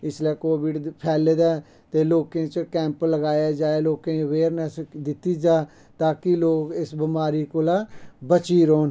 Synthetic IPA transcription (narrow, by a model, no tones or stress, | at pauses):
ɪslɛːkoːbɪʈpʰɛːleːd̪ɛː | t̪eːloːkẽːt͡ʃkɛ̃ːmpələɡaːjaːd͡ʒaːeloːkẽːəʋeːɾnəsd̪ɪt̪iːd͡ʒaː | t̪aːkiloːɡɪsbɪmaːɾiːkoːlaːbət͡ʃiːɾoːn